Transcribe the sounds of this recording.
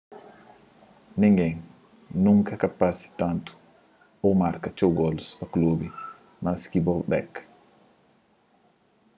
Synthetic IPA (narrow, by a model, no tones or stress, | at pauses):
niŋɡɛŋ | nuŋkakapasi̥tantu̥ | ɔmaɾkat͡ʃɔwɡɔlsfaklobi | maskibɔlbɛ̰k